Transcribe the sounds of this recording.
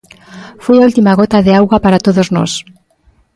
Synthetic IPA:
fojault̪imaɣot̪aðeawɣapaɾat̪oðozno̰s

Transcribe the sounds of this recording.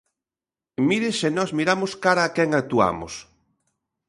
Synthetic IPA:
miɾɪsenɔzmiɾamʊskaɾaːkɛŋak̚t̪ua̰mʊ̰s

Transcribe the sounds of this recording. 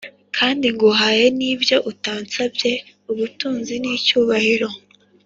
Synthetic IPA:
kʰaːndiŋɡuɦaje̞niːbjo̞ʔutaːnt͡sabje̞ | uβutuːnziniːcuːβahiɾo̞

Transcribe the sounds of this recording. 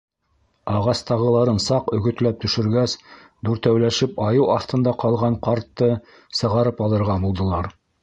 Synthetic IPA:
ɑʁɑst̪ɑʁɤ̆lˠɑɾɤnsɑqɵ̆ɡɵ̆t̪læp̚t̪ɵ̆ʃɵ̆ɾɡæs | d̪uɾt̪æwlæʃɘpɑjɤwɑθt̪ɤ̆nd̪ɑqɑlˠʁɑɴqɑɾt̪ːɤ | sɤ̆ʁɑɾɤpɑlˠɤ̆ɾʁɑbulˠd̪ɤ̆lˠɑɾ

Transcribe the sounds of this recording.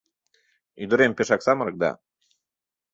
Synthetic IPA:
yd̪ə̆ɾempeʃɑksɑmɤ̆ɾɤ̆k̚d̪ɑ̰

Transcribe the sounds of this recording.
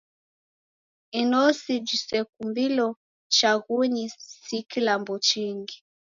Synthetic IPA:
inɔsid͡ʒisɛk̚umbilɔ | t͡ʃaɣuɲisikilambɔt͡ʃiŋɡi

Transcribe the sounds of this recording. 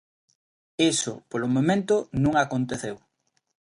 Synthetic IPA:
isʊ̰polomõmẽnt̪ʊnũŋakont̪eθew

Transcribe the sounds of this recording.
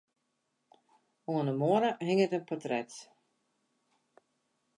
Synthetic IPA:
oənəmoəɾəhɪŋətənpɔtrɛt

